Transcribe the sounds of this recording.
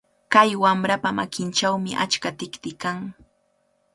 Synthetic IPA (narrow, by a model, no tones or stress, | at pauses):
kajwamɾapama̰kɪnt͡ʃawmɪʔa̰t͡ʃkat̪ɪkt̪ɪkaŋ